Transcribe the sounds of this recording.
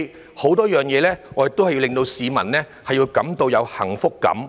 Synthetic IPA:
ho˨˥wt̪ɔː˥jœː˨˩ŋjɛː˨˧lɛː˥ŋɔ˨˧˥t̪o˥wɐ˨ji˧wlɪ˨ŋt̪o˧wsiː˨˧mɐ˨˩nlɛː˥ | hɐ˨jːiː˧wkɐ˨˥mt̪o˧wjɐ˨˧whɐ̰˨˩ŋfʊ˥kːɐ̰˨˥m

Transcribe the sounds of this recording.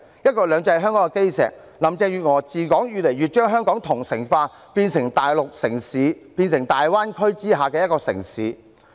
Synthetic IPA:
jɐ˥t̚kɔː˧lœː˨˧ŋt͡sɐ˧jɦœː˥ŋkɔː˨˥ŋɛ˧ke˥jsɛ̰ː˨˩k̚ | lɐ˨˩mt͡sɛː˧jyː˨t̚ŋɔː˨˩t͡siː˨kɔː˨˥ŋjyː˨le˨˩jɥy˨t̚t͡ʃœː˥ŋɦœː˥ŋkɔː˨˥ŋt̪ʰʊ˨˩ŋsɪ˨˩ŋfaː˧ | piː˧nsɪ˨˩ŋt̪aː˨jlʊ˨k̚sɪ˨˩ŋsiː˨˥piː˧nsɪ˨˩ŋt̪aː˨jwaː˥nkʰɵ˥ɥt͡siː˥ɦaː˨kɛː˧jɐ˥t̚kɔː˧sɪ̰˨˩ŋsiː˨˥

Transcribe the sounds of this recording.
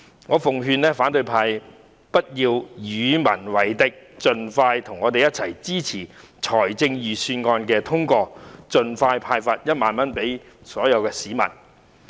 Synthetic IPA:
ŋɔː˨˧fʊ˨ŋɦyː˧nɛː˥faː˨˥nt̪ɵ˧ɥpʰaː˧j | pɐ˥t̚jiː˧wjyː˨˧mɐ˨˩nwɐ˨˩jt̪ɪ˨k̚t͡sɵ˨nfaː˧jt̪ʰʊ˨˩ŋːɔː˨˧t̪e˨jɐ˥t̚t͡sʰɐ˨˩jt͡siː˥t͡sʰiː˨˩ | t͡ʃʰɔː˨˩jt͡sɪ˧ŋjyː˨˩syː˧nŋɔː˧nkɛː˧t̪ʰʊ˥ŋkɔː˧t͡sɵ˨nfaː˧jpʰaː˧jfa˧t̚jɐ˥t̚maː˨nmɐ˥npe˨˥j | sɔː˨˥jɐ˨˧wkɛː˧siː˨˥mɐ̰˨˩n

